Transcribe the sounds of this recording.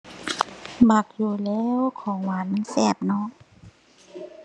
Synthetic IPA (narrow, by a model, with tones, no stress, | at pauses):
baː˨˩k̚juː˨˩lɛː˧˥˨wkʰɔː˨˦ŋwaː˨˦nmɯ˧˥˨nsɛː˧˩p̚nɔ˧˥ʔ